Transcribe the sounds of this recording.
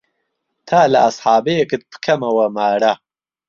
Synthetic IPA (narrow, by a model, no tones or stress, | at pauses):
t̪ʰaːlɐɐsħɑːbɐjekɨt̪̚pɨ̥kʰɐmɐwɐmaːɾɐ